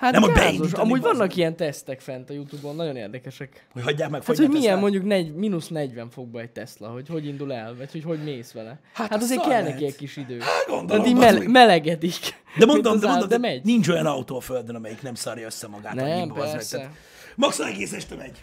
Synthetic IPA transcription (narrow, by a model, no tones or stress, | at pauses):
hat̪nɛmobɛioʃɒmuːɟvɒnːɒkijɛnt̪ɛst̪ɛkfɛnt̪ɒjut̪ubonːɒɟo̞nḛːrd̪ɛkɛʃɛk | hochɒɟːaːkmɛkfat̪hoɟmiɛnmo̞ɲɟuknɛɟminusnɛɟʋɛɱfo̞ɡ̚bɒɛc̚t̪ɛslɛ̰ɦo̞cho̞ɟind̪ulɛlvɒcho̞cho̞ɟneːsʋɛlɛ | hahat̪ɒzeːɾkɛlnɛkiɛckːiʃid̪øːaɡond̪oaiːmɛmɛlɛɡɛt̪ik | d̪ɛmond̪od̪ɛond̪omd̪ɛmɛɟnint͡ʃo̞jɒnɒut̪oːɒføld̪ønɒmɛjiknɛmsɒɾjɒøsːɛmɒɡa̰ːtnɛimpɛrɛst̪aɛ | mɒksolɛɡeːsɛʃt̪ɛmɛɟ